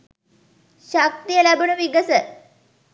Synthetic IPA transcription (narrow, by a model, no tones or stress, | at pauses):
ʃak̚t̪ijəlæbunuʋiɡəsə